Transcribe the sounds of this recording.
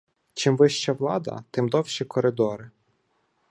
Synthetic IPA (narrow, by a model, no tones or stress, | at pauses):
t͡ʃɪmʋɪʃt͡ʃɐʋlˠɑd̪ɐ̰t̪ɪmd̪ɔwʃikɔɾɪd̪ɔɾɪ